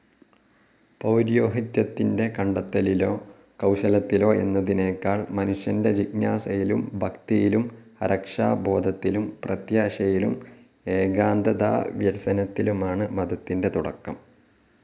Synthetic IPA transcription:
pɐwɾjo̞ːɦɐt̪jɐt̪ːinde̞kɐɳɖɐt̪ːɐliloː | kɐwɕɐlɐt̪ːilo̞ːe̞nːɐðine̞ːkːaːɭmɐnuʂjɐnde̞t͡ɕiɡnaːsɐjilumbʱɐkt̪ijilum | ɐɾɐkʂa̰ːbʱo̞ːd̪ʱɐt̪ːilumprɐt̪jaːɕɐjilṵm | e̞ːɡaːnd̪ɐd̪a̰ːʋjɐɾsɐnɐt̪ːilumaːɳɨmɐd̪ɐt̪ːinde̞t̪uɽɐ̰kːɐm

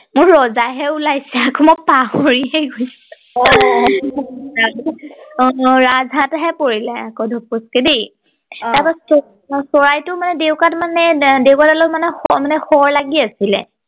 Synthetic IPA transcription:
mʊɹːɔzajɦɛulajsɛakʰɔmɔpaɦoɹiɦɛɡojsɛ | ɔ | a | ɹazʱataɦɛpoɹilɛakɔdʱɔp̚ːɔskedi | taɹpasɔ | sɔɹajtʊmanɛdewkatmanɛdewkatalomanɛmanɛxɔɹlaɡiasilɛ̰

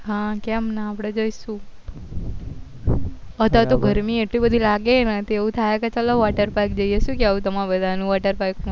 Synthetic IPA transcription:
ɦãkɛmnaːpɽ̃ed͡ʒoiʃũ | ət̪ʋat̪oɡʱəɾmieʈlibəd̪ʱilaɡenet̪eũt̪ʰajeket͡ʃəloʋaʈəɾpajk̚d͡ʒəieʃũkjaũt̪əmabəd̪ʱanũʋaʈəɾpajk

